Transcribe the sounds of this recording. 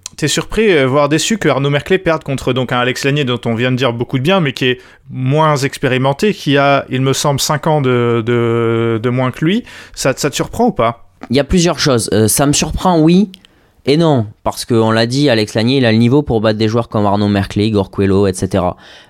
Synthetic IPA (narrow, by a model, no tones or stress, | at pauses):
t̪yɛsyʁpχivwaʁd̪esykəaʁnomɛʁklepɛʁd̪̚kɔ̃t̪χəd̪ɔ̃kɛ̃alɛkslanjed̪ɔ̃t̪ɔ̃vjɛ̃d̪əd̪iʁbokud̪əbjɛ̃mɛkʲiɛ | mwɛ̃zɛkspeʁimɑ̃t̪ekʰʲiailməsɑ̃blsɛ̃kɑ̃d̪əd̪əd̪əmwɛ̃kəlɥisasat̪syʁpχɑ̃upailjaplyzjœʁʃozøsaməsyʁpχɑ̃wi | enɔ̃paʁsə̥kəɔ̃lad̪ialɛkslaɲjeilalənivopuʁbat̪d̪eʒwœʁkɔmaʁnomɛʁkleɡɔʁkweloɛt̪set̪eʁa̰